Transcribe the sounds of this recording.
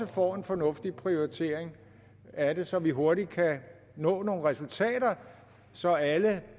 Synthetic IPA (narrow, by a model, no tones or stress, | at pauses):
əfɒ̰ːe̝nfɒ̽nɔ̽fd̥ipʰʁio̝ʁit͡sʰe̝̰ːɐ̰eŋ | æɾe̝sɒ̽ʋiɦo̝ɐɾid̥̚kʰæ | nɔ̰̽ːno̝ːn̩ʁɛsult͡sʰɛ̰ːɾɐ | sɒ̽ælə